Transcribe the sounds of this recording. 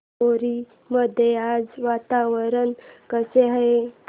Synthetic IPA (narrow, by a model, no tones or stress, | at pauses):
oɾi | məd̪ʱjead͡zʋat̪aʋəɾənkəseɦae